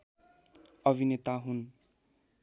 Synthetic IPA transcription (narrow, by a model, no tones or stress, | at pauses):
ʌbʱinet̪aɦun